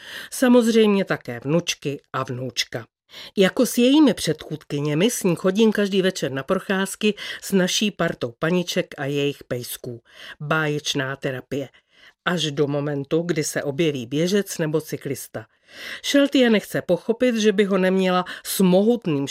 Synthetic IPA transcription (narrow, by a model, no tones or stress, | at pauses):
samo̞zr̝ɛjmɲɛt̪akɛːvnut͡ʃkɪʔavnuwt͡ʃka | jako̞sjɛjiːmɪpr̝̥ɛt̪xuːt̪kɪɲɛmɪsɲiːxo̞ɟiːmkaʒdiːvɛt͡ʃɛɾnapɾo̞xaːskɪsnaʃiːpaɾt̪o̞wpaɲɪt͡ʃɛkajɛjɪxpɛjskuːbaːjɛt͡ʃnaːt̪ɛɾapɪjɛ | ʔaʒdo̞mo̞mɛnt̪uɡdɪsɛʔo̞bjɛviːbjɛʒɛt͡snɛbo̞t͡sɪklɪst̪a | ʃɛlt̪ɪjanɛxt͡sɛpo̞xo̞pɪt̪ʒɛbɪɦo̞nɛmɲɛlasmo̞ɦut̪niːm